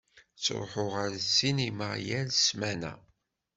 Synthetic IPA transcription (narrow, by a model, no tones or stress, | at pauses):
t͡sːɾˤħʊʁəɾsinimajælsmænæ̰